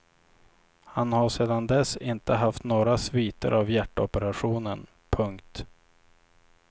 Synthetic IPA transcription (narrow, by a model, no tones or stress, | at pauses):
hanhaʂeːd̪and̪ɛsɪnt̪əɦaft̪noːɾasviːt̪ə̰ɾavjæʈːɔpəɾaɧuːnən | pʰɵŋkt̪